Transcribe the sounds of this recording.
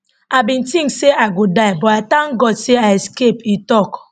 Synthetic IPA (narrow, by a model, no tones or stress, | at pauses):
abĩntĩŋkseaɡudaɪbɔatãŋɡɔdseaɛskepitɔk